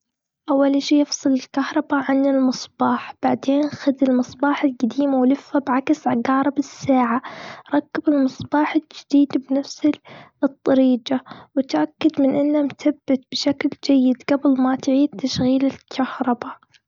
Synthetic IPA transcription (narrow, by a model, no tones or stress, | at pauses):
ʔawːalʃiːjɪfsˤɨlɪlkahɾˤɑbaʕanːɪlmɨsˤbɑːħb̥aʕd̪eːnxad̪ɪlmɨsˤbɑːħɪlɡad̪iːmawlɪfːabʕaksʕaɡɑːɾˤɑbɪsːaːʕaɾˤɑkːabɪlmɨsˤbɑːħɪld͡ʒɪd̪̥iːd̪bnafsɪlɨt̪ˤːɑɾiːd͡ʒawɪt̪ʔakːad̪mɪnʔɪnːamθabːɪt̪̚bʃakld͡ʒajːɪd̪ɡabɪlmat̪ʕiːd̪̚t̪ːaʃɣiːlɪlkʰahɾˤɑba